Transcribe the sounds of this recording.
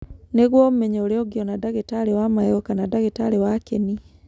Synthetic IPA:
neɣwɔm̩mɛɲɛoɾeɔɡjɔnadaɣetaɾewamajɔkanadaɣetaɾewakeni

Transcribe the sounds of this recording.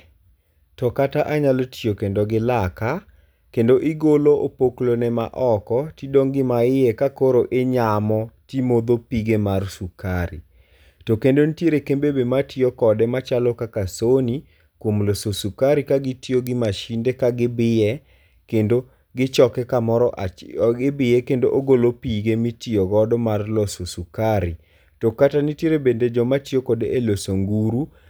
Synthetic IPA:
tɔkataʔaɲalotiokendoɡɪlaka | kendoʔɪɡoloʔopoklonɛma̰ʔɔkɔtidoŋɡɪmaɪɛkakoɾoʔeɲamɔtimod̪opiɡemarsukaɾḭ | tokendontjeɾekembebematiokɔdɛmat͡ʃalɔkakasoni | kwomlososukaɾikaɡɪtioɡɪmaʃindekaɡɪbɪɛ | kendo | ɡɪt͡ʃɔkɛkamɔɾɔʔaɡɪbɪɛkendoʔoɡolopiɡemitioɡɔdɔmarlososukaɾi | tokatanitjeɾebended͡ʒɔmatɪokodeʔelosoŋɡuɾu

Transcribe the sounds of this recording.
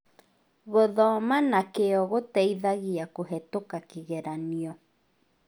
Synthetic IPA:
ɣoðɔmanakeɔɣotɛiðaɣiakoɦɛtokakiɣɛɾaniɔ

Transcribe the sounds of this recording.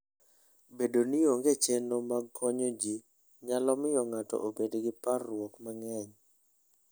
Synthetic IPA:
bedonioŋɡet͡ʃɛnomaɡkʰɔɲod͡ʒi | ɲalɔmɪjɔŋatɔ̰ʔobedɡɪparːwɔkmaŋɛɲ

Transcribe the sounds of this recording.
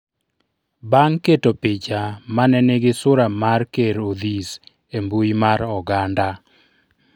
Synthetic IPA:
baŋketopɪt͡ʃamanɛneɡɪsʊɾamarkeɾod̪is | embujimaɾɔɡanda

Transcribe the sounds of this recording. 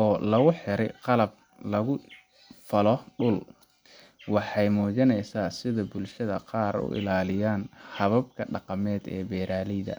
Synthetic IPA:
ʔɔːlɐɣʊħɪɾɛqɑlɐb̚ | lɐɣʊ | fɐlɔɖʊl | wɑħɑjmɔːd͡ʒɐnɛjsaːsɪðɐbʊlʃɐðɐqɑːɾʊ̰ʔɪ̰laːlɪjaːnhɐβɐb̚kʰɐɖɑqɑmɛːd̪ɛ̰ːbɛːɾaːlɛjðɐ̰

